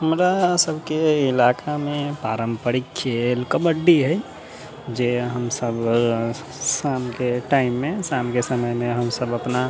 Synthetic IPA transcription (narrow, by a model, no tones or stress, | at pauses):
həmɾasəbʱkeɪlakʰamẽpaːɾəmpəɾikʰːelkəməɖːiɦɛj | d͡ʒeɦəmsəb | samkeʈaɪmːẽsamkesəməjmẽɦəmsəbəpna